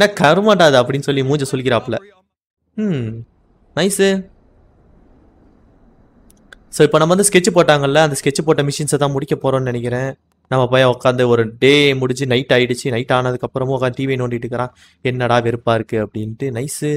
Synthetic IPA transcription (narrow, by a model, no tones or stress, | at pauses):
nːaːkɐɾɯmaːʈaːðɯɐpːɐɽɪnːɯsɔlːimuːɲd͡ʒɐsɔlːɪk̬ɪɾɐːɐpːɐlɐ | nɐɪsɯ | soːɪpːoːnɐmɐnd̪ɯskɛt͡ʃːɯpoːʈːaːŋɡɐɪlːɐːnd̪ɐskɛt͡ʃːɯpoːʈːɐmɪʂɪnsɛt̪ãːmʊɽɪkʲːɐpoːɾõːnnɪnɛk̬ʲːɪɾẽː | nɐmːɐpoːjɔkːaːnd̪ɐɔɾɯɖeːmʊɽɪɲd͡ʒɯnɐɪʈːaːjɪɽɯt͡ʃːɯnɐɪʈːaːnɐðɯkːɐpːɯɾɐm̃ɔkːaːʈiːʋinoːɳɖɪɪʈːɯkːɐɾãː | ɛnːɐɽaːʋɛɾɯpːaːɪɾɯkːɯɐpːɐɽɪnʈːɯnɐɪsɯ